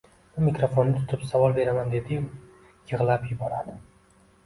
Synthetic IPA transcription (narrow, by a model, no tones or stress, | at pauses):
bʊmɪkɾofonːɪt̪ʰʊ̥t̪ʰɪpsavɒlˠbe̞ɾamand̪e̞d̪ɪ | jɨʁlˠapjʊbɒɾad̪ɪ